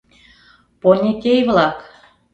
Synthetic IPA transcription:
ponʲet̪ʲejβlɑk

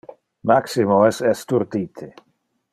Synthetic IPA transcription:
maksimoɛsɛst̪uɾd̪iːt̪ʰe

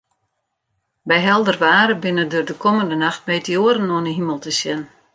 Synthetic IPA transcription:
bɛjɦɛlˠdərʋaːɾəbɪnədørdəkʰoməndənaxt̚mɛjtəoəɾənoənəɦiməlˠtəsjɛn

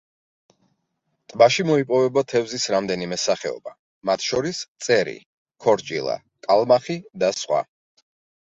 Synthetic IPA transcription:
t̪ʼbaʃimɔipʼɔvɛbat̪ʰɛvzisɾamd̪ɛnimɛsaχɛɔ̰ba | mat̪ʰʃɔɾist̪sʼɛɾḭ | kʰɔɾt͡ʃʼḭlˠa̰ | kʼalˠmaχid̪asχwa̰

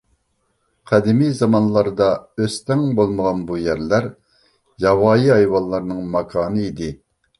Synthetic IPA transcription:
qʰæd̪ɪmijzɑmɑnlˠɑɾd̪ɑøst̪ɛŋbolˠməʁɑnbujæɾlæɾ | jɑwɑːjiɑjwɑlˠːɑɾnɨŋmɑkʰɑːnɨid̪ɪ

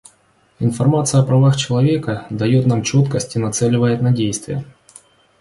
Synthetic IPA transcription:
ɪnfɐrmat̪sɨjəɐpɾɐvaxt͡ɕɪlˠɐvʲe̞kəd̪ɐjo̞t̪namt͡ɕo̞t̪kəsʲtʲɪnɐt̪sɛlʲɪvəjɪt̪nɐdʲejst̪vʲɪjə

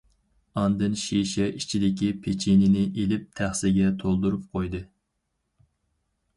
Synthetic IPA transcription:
ɑnd̪ɨnʃiʃɛʔit͡ʃʰid̪ɪkʲipʰet͡ʃʰinɪnɪʔelɪp̚t̪ʰæχsɪɡʲɛt̪ʰolˠd̪uɾup̚qʰojd̪ɨ

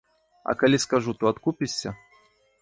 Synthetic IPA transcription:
ɐ̰kalʲiskaʐut̪uat̪kupʲisʲːɐ

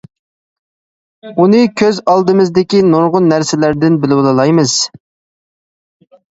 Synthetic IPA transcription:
unɨkʲʰøzɑlˠd̪ɨmɨzd̪ɪkʲinoɾʁʊnːæɾsɪlæɾd̪ɪnbɪlɪwlˠɨlˠɑjmɨz̥

